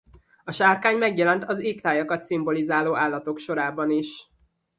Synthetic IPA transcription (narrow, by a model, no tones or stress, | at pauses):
ɒʃaːrkaːɲmɛɡjɛlɛnt̪ɒziːkt̪aːjɒkɒt̪simbo̞lizaːloːʔaːlːɒt̪o̞kʃo̞ɾaːbɒniʃ